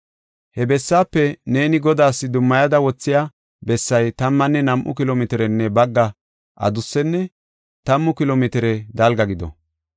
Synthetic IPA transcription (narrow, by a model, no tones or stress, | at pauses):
hɛbɛsːaːpːɛne̞ːnɪɡɔd̪aːsːɪd̪ʊmːɐjɐd̪ɐwɔt͡sːɪja | bɛsːɐjt̪ɐmːɐnːɛnɐmʔʊ̰kɪloːmɪt̪ɪɾɛnːɛbɐɡːɐ | ʔɐ̰d̪ʊsːɛnːɛ | t̪ɐmːʊkɪloːmɪt̪ɪɾɛd̪ɐlɡɐɡɪd̪ɔ̰